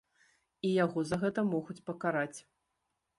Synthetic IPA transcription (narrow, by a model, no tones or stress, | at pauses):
ijaɣɔzaɣɛt̪ɐmɔɣut͡sʲpɐkaɾat͡sʲ